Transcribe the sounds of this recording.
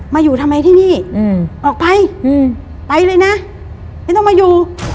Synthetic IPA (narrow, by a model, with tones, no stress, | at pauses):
maː˧juː˨˩t̪ʰa˧mːa˧jt̪ʰiː˥˩niː˥˩˧ʔɔː˨˩k̚pa˧j | pa˧jlɤː˧jna˦˥ | ma˥˩jt̪ɔ˥˩ŋmaː˧juː˨˩